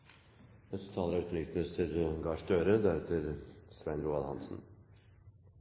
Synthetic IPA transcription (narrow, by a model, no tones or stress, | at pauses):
ɛst̪ʰɑːləɾɑʉt̪ɾɪkt̪nəst̪ʰəɾɡɑːʂd̪øːɾəd̪æɾɛt̪ʰəɾsʋɛnɾuːɑlhɑ̰nsn̩